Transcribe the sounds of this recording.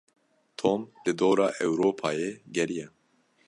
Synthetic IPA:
t̪ʰoːmlɨd̪oːɾɑːʔɛwɾoːpʰɑːjeːɡɛɾijɛ

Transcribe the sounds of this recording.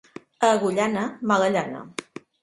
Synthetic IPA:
əɣuʎanəmaɣəʎanə̰

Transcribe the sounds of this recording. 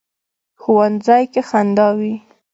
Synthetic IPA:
xuwanzɑjkexand̪ɑwi

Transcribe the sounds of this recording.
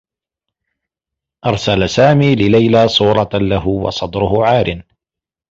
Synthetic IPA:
ʔɑɾˤsalasaːmiːlɪlajlaːsˤuːɾˤɑlaɦʊwɑ̰sˤɑd̪ˤɾʊhʊʕaːɾʔɪn

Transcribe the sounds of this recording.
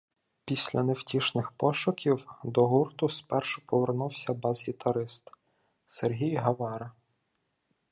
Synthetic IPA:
pʲisʲlʲɐnewtʲiʃnɪxpɔʃʊkʲiwd̪ɔɦurt̪ʊspɛrʃʊ̥pɔʋernuwsʲɐbɑzɦʲit̪ɐɾɪst̪ | serɦʲijɦɐʋɑɾɐ

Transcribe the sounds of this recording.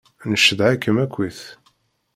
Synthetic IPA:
nəʃəðʕakːəmækʷːwiθ

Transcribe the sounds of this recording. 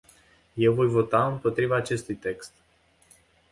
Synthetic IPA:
je̞wvo̞jvo̞t̪aɨmpo̞t̪ɾivaːt͡ʃe̞st̪ujt̪e̞kst̪

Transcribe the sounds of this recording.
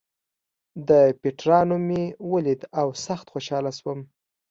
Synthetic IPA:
d̪əpeʈɾɑnomewəlid̪awsaxt̪xoʃɑlaswəm

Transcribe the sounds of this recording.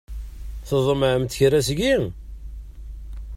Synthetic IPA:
θəzˤəmʕəmt̪ːçɾæsɡi

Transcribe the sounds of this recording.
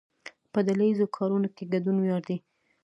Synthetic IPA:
pəd̪alajizokʰɑɾunokeɡadunwjɑɽd̪i

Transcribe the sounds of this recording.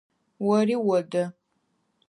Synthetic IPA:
wɔriːwɔdɐ

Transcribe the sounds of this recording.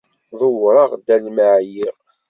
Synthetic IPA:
ðˤəwɾˤɑʁd̪ælməʕjiʁ

